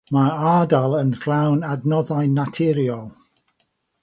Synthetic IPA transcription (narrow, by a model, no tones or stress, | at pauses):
maaːdalˠənɡlawnadnɔðajnatʰɪɾjɔlˠ